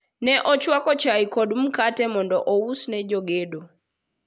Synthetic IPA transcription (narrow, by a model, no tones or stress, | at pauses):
nɛʔɔt͡ʃwakɔt͡ʃaikɔɗum̩katɛmɔndɔʔɔusnɛd͡ʒɔɡeɗo